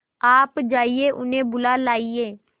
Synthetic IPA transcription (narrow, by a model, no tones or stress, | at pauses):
aːpd͡ʒaːieːʔʊnẽːbʊlaːlaːieː